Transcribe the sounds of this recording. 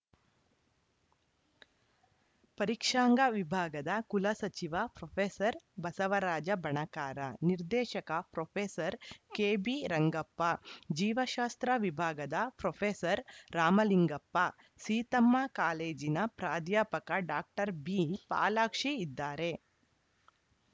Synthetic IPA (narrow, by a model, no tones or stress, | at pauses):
pɐɾikʂaːŋɡɐʋibʱaːɡɐd̪ɐkulɐsɐt͡ʃiʋɐpɾopʰeːsɐɾbɐsɐʋɐɾaːd͡ʒɐbɐɳɐkaːɾɐniɾd̪ɛːʃɐkɐpɾopʰeːsɐɾkeːbiɾɐŋɡɐpːɐd͡ʒiːʋɐʃaːst̪ɾɐʋibʱaːɡɐd̪ɐpɾopʰeːsɐɾːaːmɐliŋɡɐpːɐ | siːt̪ɐmːakaːleːd͡ʒinɐpɾaːd̪jaːpɐkɐɖaːk̚ʈɐɾbipa̰ːlaːkʂiid̪ːaːɾe